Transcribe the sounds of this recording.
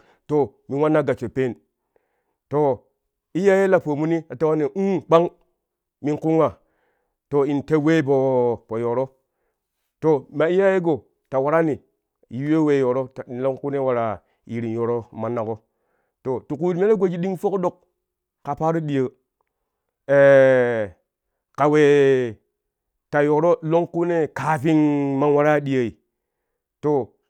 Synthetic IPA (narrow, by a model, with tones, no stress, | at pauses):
to˨mi˨nwa˦nːa˦ɡa˨t͡ʃo˨pe˦˨n | to˨ | i˦ja˦je˦la˨po˨mu˦ni˦a˨ta˦wa˦ne˨u˦k͡pa˦ŋ | mi˦nku˦ŋa˨ | to˨i˨nte˦we˦p̬o˨po˨jo˨ɾo˦ | to˨ma˨i˦ja˦je˦ɡo˨ | ta˨wa˨ɾa˦ni˨ | ji˨˦we˦we˨jo˨ɾo˦ta˨n˨lo˦ŋ˦ku˦ne˦wa˨ɾa˨ | ji˨ɾi˨njo˨ɾo˦ma˨na˨ko˦ | to˨tu˨ku˦˨tme˦le˦ɡʷo˨d͡ʒi˦ɗi˦ŋfo˦ko˦ɗo˨k | ka˨pa˦ɾu˦ɗi˨jə˨ | e˨ | ka˨we˨ | ta˨jo˨ɾo˦lo˦ŋku˦ne˦ka˨fi˦ŋma˦nwa˦ɾa˦ɗi˦˨ə˨i˨ | to˨